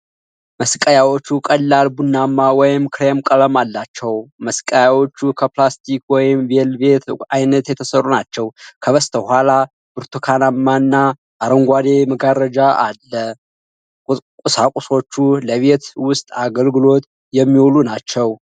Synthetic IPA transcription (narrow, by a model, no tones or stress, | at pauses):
məskʼəjawo̞t͡ʃːukʼəlːalbunːamːawɔjɪmkʰɾemkʼələmalːat͡ʃːɛwməskʼəjawo̞t͡ʃːukʰəplast̪ʰikwɔjɪmvelbe̞t̪ajnət̪jɛt̪ʰəsərːunat͡ʃːɛwkʰəβəst̪ʰəhʷala | b̥ɨɾt̪ʰokʰanamːanːa | ʔːɾəŋɡʷad̪e̞məɡaɾəd͡ʒaʔalːə | kʼʊsakʼuso̞t͡ʃːuləβe̞t̪wʊst̪ʼaɡəlɡɨlo̞t̪ | jɛmːiwlunat͡ʃːɛw